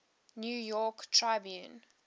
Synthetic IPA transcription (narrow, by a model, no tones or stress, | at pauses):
njuːjɔktʰɹaɪbjũn